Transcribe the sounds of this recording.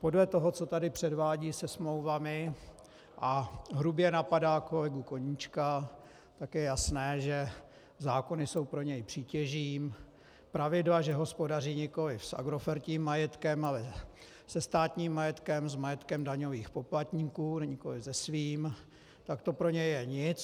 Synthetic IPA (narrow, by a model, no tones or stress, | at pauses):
po̞dlɛt̪o̞ɦo̞t͡so̞t̪adɪpr̝̥ɛdvaːɟiːsɛsmlowvamɪ | ʔaɦɾubjɛnapadaːkolɪɡukoɲit͡ʃka | t̪akjɛjasnɛːʒɛ | zaːko̞nɪso̞wpɾo̞ɲɛjpr̥iːcɛʒiːm | pɾavɪdlaʒɛɦo̞spo̞dariːɲɛko̞lɪfsʔa̰ɡɾo̞fɛɾciːmːajɛt̪kɛmalɛ | sɛst̪aːt̪ɲiːmːajɛt̪kɛmzmajɛt̪kɛmdaɲo̞viːxpo̞plat̪ɲiːkuːnɲɛko̞lɪvzɛsviːm | t̪akt̪o̞pɾo̞ɲɛjjɛɲɪt͡s